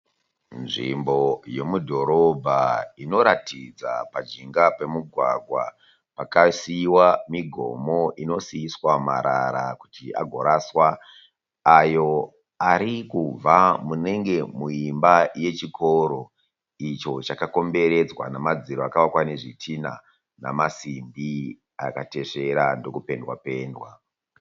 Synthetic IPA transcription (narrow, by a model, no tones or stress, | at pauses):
nʐḭmbo̞je̞mudʱo̞ɾo̞bʱaino̞ɾatʰid͡za̰pad͡ʒiŋɡape̞muɡʱwaɡʱwa̰ | pakasiwamiɡʱo̞̰mo̞ʔino̞siːswamaɾaɾakutia̰ɡʱo̞ɾaswa | ajo̞ | aɾikub͡vamune̞ŋɡe̞muimbaje̞t͡ʃikʰo̞ɾo̞ | it͡ʃo̞t͡ʃakako̞mbe̞ɾe̞d͡zwa̰namad͡ziɾoakaʋakwaneʐitʰina̰ | namasimbi | akate̞ʂe̞ɾando̞kupe̞ndwa̰pe̞ːndwa